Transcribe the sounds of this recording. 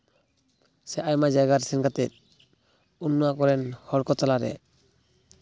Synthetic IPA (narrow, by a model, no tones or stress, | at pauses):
sɛʔajmad͡ʒajɡaɾsinkat̪ɛ̰t̪̚ | unːɔakɔɾɛnhɔɽkɔt̪alaɾɛ̰